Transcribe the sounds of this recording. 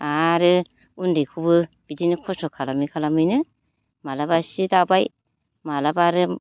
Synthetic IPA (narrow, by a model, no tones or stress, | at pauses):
aɾɯ | undɯjkʰubɯ | b̥idinɯkʰɔsɔkʰalamikʰalamɯjnɯ | malabasidabaj | malabaɾɯ